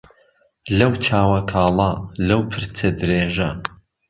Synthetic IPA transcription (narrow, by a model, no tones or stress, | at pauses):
lɐwt͡ʃʰaːwɐkʰaːlˠɐlɐwpʰɨɾt͡sʰɐd̪ɨɾeːʒɐ